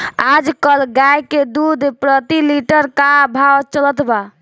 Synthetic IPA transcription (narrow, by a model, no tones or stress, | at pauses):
ad͡ʒkəlɡajked̪ud̪pɾət̪iliʈəɾkabʱawt͡ʃələt̪ʰba